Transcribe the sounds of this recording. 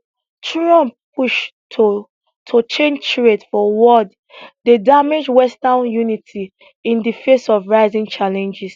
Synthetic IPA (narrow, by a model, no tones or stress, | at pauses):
tɹɔ̃mppʰuʃtʰo | tʰot͡ʃẽnd͡ʒtɹetfɔwɔd | dedamed͡ʒwɛstanjunitʰi | ĩndifesɔvɹaɪzĩŋt͡ʃalɛ̃nd͡ʒis